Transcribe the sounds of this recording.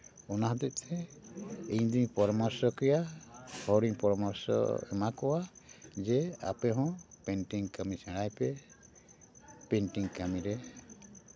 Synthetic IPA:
ɔnaɦɔd̪ɛʔ̚ˀt̪ʰɛ | iɲd̪iɲpɔɾɔmaɾsɔkɾijahɔɽiŋpɔɾɔmaɾsɔ̰ɛ̰makɔwad͡ʒɛa̰pɛɦɔ̃pɛnʈiŋkamisɛ̃ɽajpɛ | pɛɳʈiŋkamiɾɛ

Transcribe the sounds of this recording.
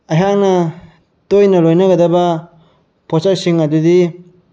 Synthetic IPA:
aɦaŋnɐ | tojnɐlojnɐɡɐdɐba | pʰɔsasiŋadudi

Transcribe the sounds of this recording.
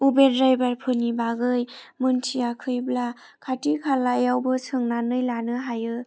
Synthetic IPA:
ubedɾajbaɾpʰɯnibaɡɯjmɯntʰiakʰɯjbla | kʰatikʰalajawbɯsʰɯŋnanɯjlanɯɦajɯ

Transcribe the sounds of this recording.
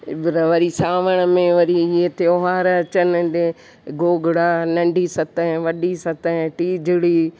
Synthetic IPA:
ɪbɪɾɐʋɐɾisaːʋəɽ̃mẽʋɐɾiiet̪eoɦaːɾt͡ʃɐnɪɗe | ɡoːɡɪɽaːnɐ̃ɳɖʱiːsɐt̪ə̃ʋɐɗisɐt̪əɦʈiːd͡ʒʱɪɽiː

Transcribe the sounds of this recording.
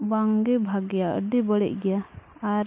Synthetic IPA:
baŋɡɛbʱaɡɛjaə̰ɖibəɽɛ̰ʔ̚ɡɛjaaɾ

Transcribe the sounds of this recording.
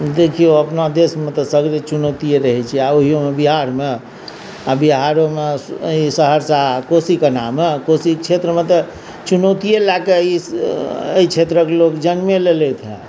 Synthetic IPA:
d̪ekʰijoəpnad̪esmet̪ɔsəɡɾet͡ʃunət̪ijeɾəɦɛt͡ʃʰiaoɦijomebiɦaɾme | abiɦaɾomeisəɦəɾsakosikenamekosit͡ʃʰet̪ɾəmet̪ɔ | t͡ʃunət̪ijelakei | ə̰it͡ʃʰet̪ɾəkelokd͡ʒənmelelɛt̪ʰɦɛ̰̃

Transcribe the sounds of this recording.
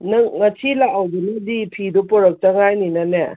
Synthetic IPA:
nɐŋŋɐsʰilaawdunɐdipʰidupɔɾɐk̚taŋajninane

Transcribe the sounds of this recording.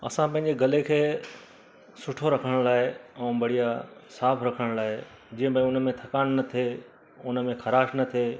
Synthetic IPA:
ɐ̰sãpɐ̃ɦɪ̃ɲ̆d͡ʑeɡɐlekʰeː | sʊʈʰoɾɐkʰəɽ̃laːɦeɛ̃ːbɐɽ̤ijasaːpʰɾɐkʰəɽ̃laːɦe | d͡ʑĩːə̃bə̃ʊnmẽt̪ʰɐkaːnnɐt̪ʰe | ʊnə̆mẽxɐɾaːʃnɐt̪ʰeː

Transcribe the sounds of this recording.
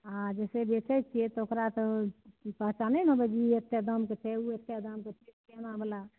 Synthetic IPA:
ɦãd͡ʒɛsebet͡ʃʰɛt͡ʃ̚t͡ʃʰiɛt̪ɔokɾat̪ɔpəɦt͡ʃanɛnobɛd͡ʒiət̪ːjad̪əmket͡ʃʰɛuət̪jad̪əmket͡ʃʰɛkenabəla

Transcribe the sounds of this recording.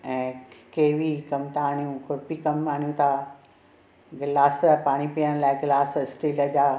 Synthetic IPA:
ɛ̃ːkeːʋikɐmt̪ʰaːn̤ijũkʰʊɽpikɐmaːnijũt̪ʰa | ɡɪlaːspaːɽ̃ipiːəɽ̃laːɪɡlaːsɪsʈiːləd͡ʑaː

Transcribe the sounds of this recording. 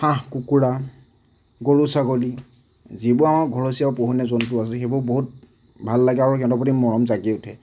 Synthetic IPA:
xãɦkukuɹa | ɡoɹusaɡoli | zibʊamaɡʱɔɹosijawpoɦunɛzɔntʊas̬ɛxebɔɹboɦut̚ | bʱalːaɡɛaɹukɛ̃tɔpotimːɔɹɔmzaɡiʊtʰɛ

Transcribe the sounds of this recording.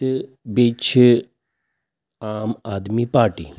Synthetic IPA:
bit͡ʃʰ | aːmaːd̪mipaːɾʈḭː

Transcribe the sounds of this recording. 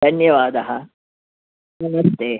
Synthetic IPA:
d̪ʱɐnjɐʋaːd̪ɐɦɐ | nɐmɐst̪eː

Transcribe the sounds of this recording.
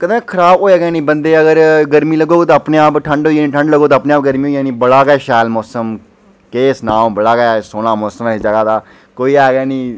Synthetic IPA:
kəd̪ẽːkʰəɾaːboːɛːɡɛːnĩːbənd̪eːəɡəɾɡəɾmiːləɡoːt̪ãːəpneːaːpʈʰəɳɖɦoːiːniːʈʰə̃ɳɖləɡoːt̪ːpnẽːaːp̚ɡəɾmiːɦoːiaːniːbəɽaːɡɛːʃɛːlmɔːsəm | keːsnãːmbəɽaːɡɛsoːnaːmɔːsəmːɪsd͡ʒəɡaːd̪aː | koːiːaːɡɛːnĩː

